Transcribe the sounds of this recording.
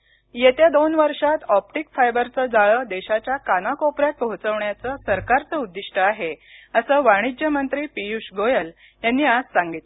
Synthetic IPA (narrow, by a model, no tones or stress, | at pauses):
jet̪ed̪onʋəɾʂat̪ɔp̚ʈikfajbəɾt͡səd͡zaɭəːd̪eɕat͡ɕjakanakopɾjat̪̚pəɦut͡səʋɳjat͡səsəɾkaɾt͡səud̪ːiʂʈəaɦeəsəːʋaɽ̃id͡ʑjəmənt̪ɾiːpijuʂɡojəl | janːiːad͡zsãŋɡit̪